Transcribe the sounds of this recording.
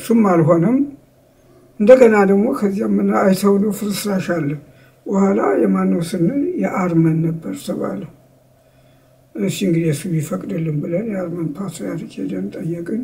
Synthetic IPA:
sɨmːalɦo̞nəm | ʔɨnd̪əɡənad̪əɡmo̞kʰəzːjamːɨnːaːjt̪ʰəwnəwfɨɾɨsɾaʃalːəh | bəhʷala̰jɛmanːəwsɨnːɨnjɛʔaɾmənːəbːəɾt̪ʰəβa̰lːəhu | ʔɨʃiɨŋɡɨd̪ijɛsɨmjɪfəkʼd̪ɨlːɨmbɨlənjɛaɾmənt̪ʰat̪əjat̪ɨkʼed̪ənt̪ʼəjːɛkʼɨn

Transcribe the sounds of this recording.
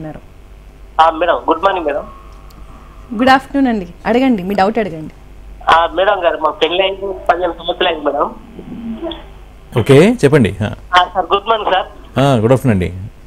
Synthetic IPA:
nːaːɾu | aːmɛːɽɐmɡuɖmaːniɡmiːɽɐm | ɡuɽaːpʈnuːnɐɳɖiɐɽɐɡɐɳɖimiːɖɐwʈɐɽɐɡɐɳɖi | aːmiːɽɐmɡaːɾmaːkpenlɐjnpɐd̪ient̪umut̪lɐjɳɡmiːɽɐm | oːkeːt͡ʃɛpːɐɳɖḭɦã̰ːaːsaːɾɡuɖmaːniɡsaɾ | aːɡuɽaːfʈnuːnɐɳɖḭ

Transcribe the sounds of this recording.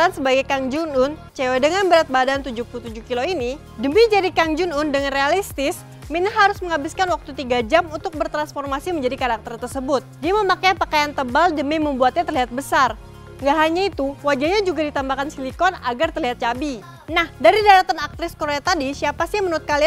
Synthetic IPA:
ansəbaɡajkaŋd͡ʒunʊnt͡ʃewadəŋanbəɾat̪̚badant̪ud͡ʒupulut̪ud͡ʒuhkiloini | dəmid͡ʒadikaŋd͡ʒunʊndəŋanrealist̪ɪs | minaɦaɾʊsməŋabɪskanwak̚t̪ut̪iɡad͡ʒamunt̪ʊk̚bərt̪ɾansfɔrmasiməɲd͡ʒadikaɾak̚t̪ərt̪ərsəbʊt̪̚diaməmakajpakajant̪əbaldəmiməmbuat̪̚ɲat̪ərliɦat̪̚bəsar | ŋɡaɦaɲait̪uwad͡ʒaɲad͡ʒuɡadit̪ambakansilikɔna̰ɡart̪ərliɦat̪̚t͡ʃabi | nahdaɾidaɾat̪anak̚t̪ɾɪskoɾeat̪adisiapasiamənuɾʊt̪̚kali

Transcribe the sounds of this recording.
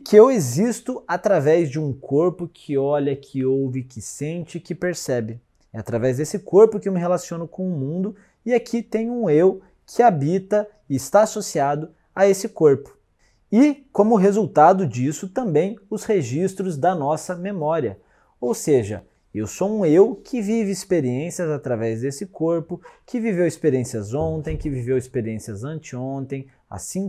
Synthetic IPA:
kɪewezist̪ʊat̪ɾavɛzd͡ʒɪũkʰoɾpʊkʰɪɔʎɐkʰɪowvɪkɪsẽnt͡ʃɪkɪpeɾsɛbɪ | ɛat̪ɾavɛzd̪esɪkoɾpʊkɪewmɪɦelasiõnʊkõw̃ʊmũnd̪ʊ | ɪakʰit̪ẽɲʊũew | kʰɪabit̪ɐ | ɪɪst̪aasosiad̪ʊ | aesɪkoɾpʊ̥ | ɪkõmʊɦezuwt̪ad̪ʊd͡ʒisʊt̪ɐ̃mbẽj̃ʊsheʒist̪ɾʊzd̪ɐnɔsɐmemɔɾiɐ̰ | owseʒɐ̰ | ewsowũewkʰɪvivɪːspeɾiẽsiɐzat̪ɾavɛzd̪esɪkoɾpʊkɪvivewɪspeɾiẽsiɐzõnt̪ẽj̃kɪvivewɪspeɾiẽsiɐzɐ̃nt͡ʃɪõnt̪ẽj̃ | a̰sĩ

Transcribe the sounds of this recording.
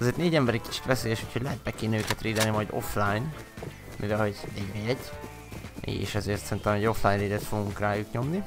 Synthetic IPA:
zeːrt̪neːɟɛmbɛɾicki̥t͡ʃi̥t̪ʋɛseːjɛʃu̥cʰhoɟlɛɦɛt̪̚bɛkːeːnøːkɛt̪reːd̪ɛnimɒjd̪o̞̰flaːjn | mʔivɛlho̞ɟɛɟbeɛɟː | ḛːʃɛzeːrt̪sɛint̪ɛmɛɟo̞flaːjnɾeːd̪ɛt̪fo̞ɡuŋkraːjukɲo̞mni

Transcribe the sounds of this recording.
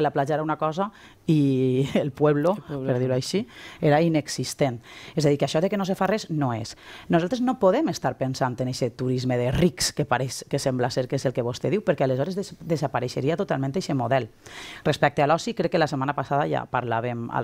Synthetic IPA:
elaplaʒaeɾaunakɔza | ielˠpwɛβlopeɾðiɾuajʃieɾaineksist̪enɛzaðikaʃɔðekenosefarɛznoesnuzalˠt̪ɾeznopoðemest̪aɾpensant̪eneʃet̪uɾizmeðerikskepaɾeskesemblaseɾkezelˠkeβost̪eðiwpeɾkɛalezɔɾezðd̪ezapaɾeʃeɾiat̪ot̪alˠmẽnt̪eʃemoðɛlˠrespɛk̚t̪ealɔsikɾɛkːelasemanapasaðaja̰paɾlaβema̰

